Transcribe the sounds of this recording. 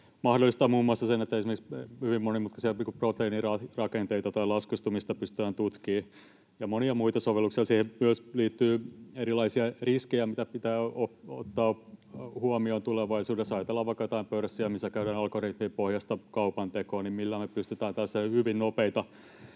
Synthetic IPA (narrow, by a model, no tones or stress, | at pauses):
mɑhdolːˑist̪ɑːmuːmːuɑsːɑsenet̪ːæesimerkshyʋimmonimut̪kɑsiɑiːŋkuprot̪einirɑrɑkent̪eit̪ɑt̪ɑilɑskist̪umist̪ɑpyst̪yæːnt̪ut̪kiː | jɑmoniɑmuit̪ɑsoʋelːuksiɑsiːhemmyøsliːt̪ːyːeɾilɑisiɑriskejæmit̪æpit̪æːoo̰t̪ːɑːhuɑmiont̪uleʋɑisuːdesɑjt̪elːɑʋʋɑikːɑjot̪ɑimpørsːiæmisːækæyɾænɑlkorit̪miːpohjɑst̪ɑkɑupɑnt̪ekoːnimmilːæːmepyst̪yt̪æːnt̪æsːehyʋinnopeit̪ɑ